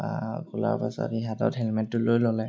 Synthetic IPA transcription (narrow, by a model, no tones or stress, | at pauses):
akula̰ɹpasɔ̰tiɦatɔ̰tɦɛlmɛntːʊlojlolɛ